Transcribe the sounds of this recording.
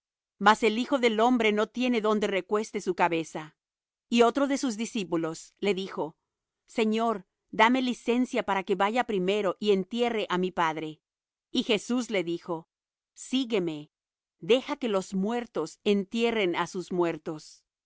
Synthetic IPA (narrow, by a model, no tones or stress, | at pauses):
mase̞lixo̞ðe̞lo̞mbɾe̞no̞t̪je̞ne̞ðo̞nd̪e̞re̞kwe̞st̪e̞sukaβe̞sa | io̞t̪ɾo̞ðe̞suzðisipulo̞sle̞ðixo̞ | se̞ɲo̞ɾ | d̪ame̞lise̞nsjapaɾake̞βaʝapɾime̞ɾo̞ʔie̞nt̪je̞re̞ʔamipaðɾe̞ | ixe̞suzle̞ðixo̞ | siɣe̞me̞ | d̪e̞xake̞lo̞zmwe̞ɾt̪o̞se̞nt̪je̞re̞nasuzmwe̞ɾt̪o̞s